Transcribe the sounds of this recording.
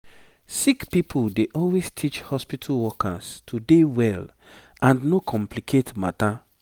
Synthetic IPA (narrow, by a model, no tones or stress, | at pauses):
sikpipʰuldeʔɔlwestʰit͡ʃhɔspitʰalwɔkʰa̰stʰudewɛl | ãnnokʰɔ̃mplikʰetmata